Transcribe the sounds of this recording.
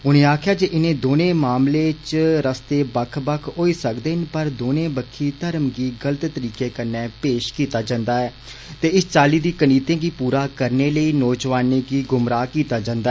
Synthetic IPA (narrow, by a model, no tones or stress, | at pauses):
ɦʊñẽːaːkʰɪjaːd͡ʒeːʔɪnẽːd̪oːnẽːmaːmleːt͡ʃɾəst̪eːbəkʰbəkʰɦoːiːsəkd̪eːnpəɾd̪oːnẽːbəkʰːiːt̪əɾəmɡiːɡələt̪ːəɾiːkeːkəɾnɛːpeːʃkiːt̪aːd͡ʒãnd̪aːɛː | t̪eːɪst͡ʃaːliːd̪iːkəniːt̪ẽːɡiːpuːɾaːkəɾneːləiːnɔːd͡ʒʋaːniːɡiːɡʊmɾaːkiːt̪aːd͡ʒãnd̪a